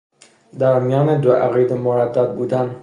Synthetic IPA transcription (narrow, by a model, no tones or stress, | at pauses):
d̪æɾmijɒːned̪oʔæɣid̪emoɾæd̪ːæd̪̚buːd̪æn